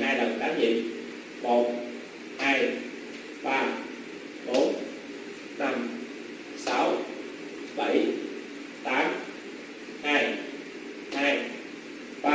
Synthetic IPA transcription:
haː˧jɗə˨˩wkaː˨˦ɲḭ˧˨ | mo˨˩t̚ | haː˧j | ɓaː˧ | ɓo˨˦˥n | na˧m | saː˨˦w | ɓə˧˩j | t̪aː˨˦m | haː˧j | haː˧j | ɓ̪aː˧

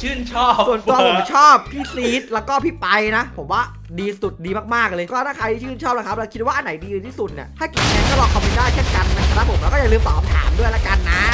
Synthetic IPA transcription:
t͡ɕʰɯː˥˩nt͡ɕʰɔː˥˩su˨˩ənt̪u˧pʰo˨˩˦m˥t͡ɕʰɔː˥˩p̚t̪ʰiː˥˩si˦˥t̪̚lɛː˦˥wkɔː˥˩pʰi˦˥˩pa˧jna˦˥pʰo˩˦mwaː˥˩ | diː˧su˨˩t̪̚diː˧maː˥˩maː˥˩k̚lɤː˧kɔː˥˩t̪ʰaː˥˩kʰa˧jt̪iː˥˩t͡ɕʰɯː˥˩nt͡ɕʰɔː˥˩p̚na˦˥kʰa˦˥plɛː˧˥wkʰi˦˥t̪̚waː˥˩ʔa˧na˩˦jdiː˧t̪ʰiː˥˩su˨˩t̪̚nḭ˨˩aː˥˩ki˨˩˧ni˧nkɔː˥˩lɔː˧kʰɔ˧mɾi˧˥t̪aː˥˩jt͡ɕʰe˥˩nka˧nːa˧˩ka˧˩ɾa˦˥pʰmlɛ˦˥wkɔː˥˩˨lɯː˧mt̪ɔː˨˩p̚t̪ʰa̰ː˩˦mdu˥˩əjla˦˥ka˧nːa˦˥

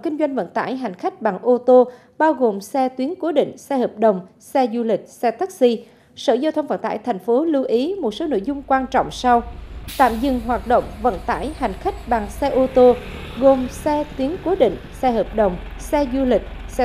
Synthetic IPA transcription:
kï˧ŋ̟zwa˧jŋ̟və̰˧˨nt̪a̰ː˧˩jɦa˨˩jŋ̟xa˦˥jk̟̚ɓa˨˩ŋʔo˧t̪o˧ | ɓaː˧wɣo˨˩msɛ˧t̪wi˨˦ənku˨˦ɗḭ˧˨ŋ̟sɛ˧həː˨˩p̚ɗə˨˩wŋ͡m | sɛ˧zu˧lï˨˩k̟̚sɛ˧t̪a˦˥k̚si˧ | sə̰ː˧˩zaː˧wt̪ʰə˧wŋ͡mvə̰˧˨nt̪a̰ː˧˩jt̪ʰjŋ̟fo˨˦lu˧ʔi˨˦mo˨˩t̚so˨˦no̰˧˨jzʊ˧ŋ͡mkwaː˧nt͡ɕɔ̰˧˨wŋ͡msa˧wt̪a̰ː˧˨mzɨ̰˧˨ŋɦwaː˨˩t̚ɗo̰˧˨wŋ͡mvə̰˧˨nt̪a̰ː˧˩jha˨˩jŋ̟xa˦˥jk̟̚ɓa˨˩ŋsɛ˧ʔo˧t̪o˧ | ɣo˨˩msɛ˧t̪wi˨˦ənku˨˦ɗḭ̈˧˨ŋ̟sɛ˧həː˨˩p̚ɗə˨˩wŋ͡m | sɛ˧zu˧lï˨˩k̟̚sɛ˧

